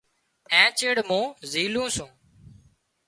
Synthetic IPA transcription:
ɛ̃ːt͡ʃeːɽmõːziːlũːsũː

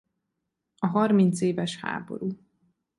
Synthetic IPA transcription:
ɒɦɒrmint̪seːvɛʃha̰ːbo̞̰ɾuː

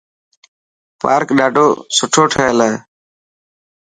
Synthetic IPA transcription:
pa̰ːɾkɗaːɖʱoːsʊʈʰoːʈʰəeːlaeː

